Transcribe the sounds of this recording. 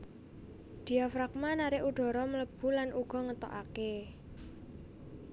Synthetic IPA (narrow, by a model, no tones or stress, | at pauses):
d̪̥i̤afɾak̚manaɾɪʔuɖ̥ɔ̤ɾɔmələb̥ṳlanʔuɡ̥ɔ̤ŋət̪ɔ̰ʔa̰ke